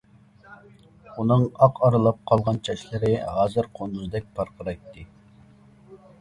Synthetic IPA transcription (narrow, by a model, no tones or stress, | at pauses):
unɨŋɑqʰɑɾɨlˠɑp̚qʰɑlˠʁɑnt͡ʃʰɛʃlɪɾɪɦɑːzɨɾqʰonuzɨd̪ɛk̚ʲpʰɑɾqʰəɾɑjt̪ːɨ